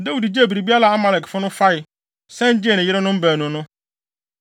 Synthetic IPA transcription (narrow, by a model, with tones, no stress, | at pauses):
da˦wu˨dd͡ʑe˦˨bi˨ɾi˨bi˦a˦la˨a˦ma˨lɛ˨kfʊ˦nʊ̃˦fa˦ɪ˨ | sɛ̃˦d͡ʑɪ˦e˨nɪ̃˨jɪ˦ɾɪ˦nʊ̃˦m̩˦bæː˨nʊ̃˨˦nʊ̃˦